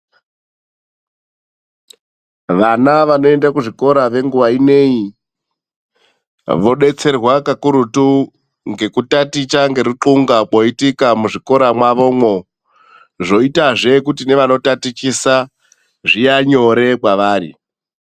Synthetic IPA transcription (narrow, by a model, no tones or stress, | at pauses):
ʋanaʋano̞e̞ndakuʐiko̞ɾaʋe̞ŋɡuʋaine̞i | ʋo̞ɗe̞t͡se̞rwakakuɾutu | ŋɡe̞kutatit͡ʃaŋɡe̞riǃuŋɡaɓoitikamuʐiko̞ɾamwaʋo̞mwo̞ | ʐo̞itaʐe̞kutine̞ʋano̞tatit͡ʃisa | ʐijaɲo̞ɾe̞kwaʋaːɾḭ